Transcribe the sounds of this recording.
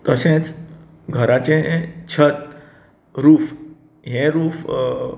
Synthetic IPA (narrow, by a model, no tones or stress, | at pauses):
t̪əsẽt͡s | ɡʱəɾat͡ɕẽt͡ɕʰət̪ | ɾuːf | ɦẽɾuːf